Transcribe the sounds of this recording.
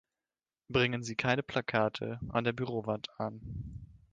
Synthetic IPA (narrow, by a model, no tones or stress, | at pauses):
b̥ʁɪŋənziːkʰaɪnəpʰlakʰaːtʰə̰ʔa̰ndeːɐbyʁoːvantʰan